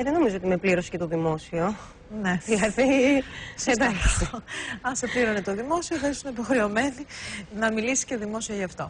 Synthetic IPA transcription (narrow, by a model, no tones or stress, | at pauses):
ðeno̞mizoot̪imepliɾo̞si̥ce̞t̪oðimo̞sio | ne̞ðilɐðised̪ɐlo | ɐnsepliɾonet̪oðimo̞sioθɐisuneipo̞xɾeo̞me̞ninɐmilisi̥sceðimo̞sioʝɐːft̪o̞